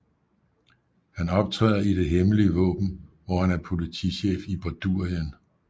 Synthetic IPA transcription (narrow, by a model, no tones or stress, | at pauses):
hænɒ̽b̥̚t͡sʰʁɛ̰ːɐid̥e̝ɦeməliəʋɔ̰̽ːb̥n̩ʋɒhænæɐpʰo̝lit͡sʰiɕḛːfib̥ɒd̥uɐ̰jən